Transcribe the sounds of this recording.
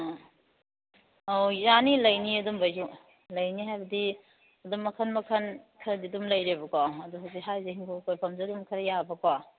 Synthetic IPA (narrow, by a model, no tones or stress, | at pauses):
awjanilɐjniɐdumbɐzu | lɐjniɦajbɐdi | ɐdumːɐkʰɐnmɐkʰɐnkʰɐɾɐdidumlɐjɾebɐkoɐduɦaziɦajzehiŋkokʰojpʰɐmzedumkʰɐɾɐjabɐko